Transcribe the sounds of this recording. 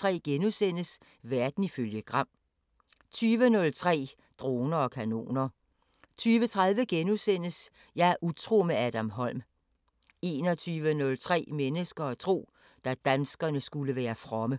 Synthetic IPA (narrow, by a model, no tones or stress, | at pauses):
ʁɛ̰ːɡ̥enusen̰əs | ʋæɐd̥n̩iføljəɡ̥ʁɑ̈m̰ | t͡sʰyːʋənɔ̽lt͡sʰʁɛ̰ː | d̥ʁo̝ːnɐɒ̽kʰæno̝̰ːnɐ | t͡sʰyːʋət͡sʰʁɑ̈ðˠʋəɡ̥enusen̰əs | jɑæɐʔut͡sʰʁo̝̰ːmeæd̥æmɦɒ̽l̰m | e̝ːnɒ̽t͡sʰyːʋənɔ̽lt͡sʰʁɛ̰ːmenəsɡ̥ɐːt͡sʰʁo̝̰ː | d̥æd̥ænsɡ̥ɐnəsɡ̥uləʋæːɐfʁɒ̽mə